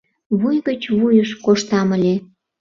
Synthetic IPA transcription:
βujɣət͡ɕβujəʃkoʃt̪ɑməlʲe

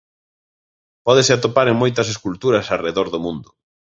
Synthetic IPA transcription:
pɔðesɪat̪opaɾeŋmojt̪ɐs̬eskult̪uɾɐsareðɔɾðomũnd̪ʊ

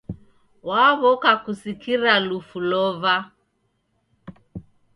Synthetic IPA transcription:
waβɔkakusikiɾalufulɔva

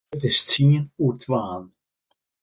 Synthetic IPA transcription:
tɪst͡siənutʰʋaːn

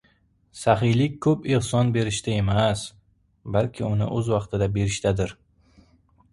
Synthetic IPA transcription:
saɦɪjlɪkʲkʰɵpehsɒnbe̞ɾɪʃt̪ʰae̞mas | balkʲʰɪʊnɪ̰ʔɵzwɑqt̪ʰɪd̪abe̞ɾɪʃt̪ʰad̪ɪɾ

